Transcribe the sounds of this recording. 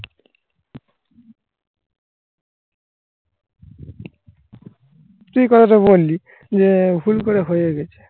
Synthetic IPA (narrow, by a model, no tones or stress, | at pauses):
t̪ujkɔt̪ʰaʈaβolːi | d͡ʑebʱulkoɾeɦojeɡɛt͡ɕʰe̥